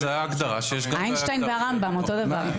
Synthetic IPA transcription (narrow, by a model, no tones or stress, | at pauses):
zeajaːɡd̪aʁa̰ʃejeʃɡajnʃtajnveaʁambamot̪o̞d̪avaʁ